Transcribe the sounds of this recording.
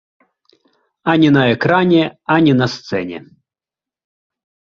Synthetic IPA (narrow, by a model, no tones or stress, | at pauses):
ɐnʲɛnɐɛkɾanʲɛanʲɛnɐst̪sɛ̰nʲɛ̰